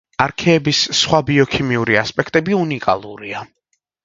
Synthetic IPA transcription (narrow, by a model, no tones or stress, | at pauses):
aɾkʰɛːbissχwabiɔkʰimiuɾiaspʼɛkʰt̪ʼɛbiunikʼa̰lˠṵɾia